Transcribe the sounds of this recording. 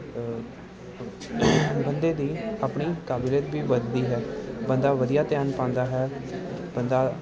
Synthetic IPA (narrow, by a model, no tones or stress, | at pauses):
bənd̪eːd̪iːaːpɳiːkaːbɪleːt̪biːʋəd̪d̪iːɦɛːbənd̪aːʋəd̪ijaːt̪ɪjaːnpãːnd̪aːɦɛː | bənd̪aː